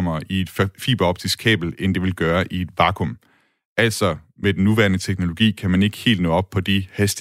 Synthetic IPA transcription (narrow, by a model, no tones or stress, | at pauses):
mɐʔie̝d̥fḭːb̥æɒ̽b̥t͡sʰiskʰɛ̰ːb̥l̩end̥e̝ʋe̝lɡ̥ɶːɐʔie̝d̥ʋɑ̈ːkʰom | ʔæl̰sɒ̽ | med̥en̩ːuʋæ̰ɐnət͡sʰeɡ̥no̝lo̝ɡ̥ḭːkʰæmæne̝ɡ̥ə̥he̝̰ːld̥nɔ̰̽ːɒ̽b̥pʰɒ̽d̥ihesd̥